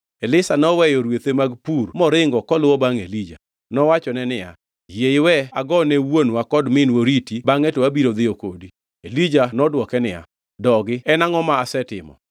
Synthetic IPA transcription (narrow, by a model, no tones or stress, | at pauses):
elɪsanɔwɛjɔɾwet̪emaɡpurmɔɾɪŋɡɔkɔlʊwɔbaŋḛlid͡ʒa̰ | nɔwat͡ʃɔnɛnɪja̰ | jeɪwɛaɡɔnɛwonwakɔdmɪnwoɾitibaŋɛtoabiɾod̪ɪokodi | elid͡ʒanɔdwɔkɛnɪja̰ | dɔɡɪɛnaŋɔmaːsɛtɪmɔ̰